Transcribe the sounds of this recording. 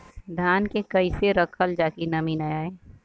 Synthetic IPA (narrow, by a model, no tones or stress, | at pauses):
d̪ʱaːnkekɐɪseɾɐkʰəld͡ʒaːkinɐminajaːeː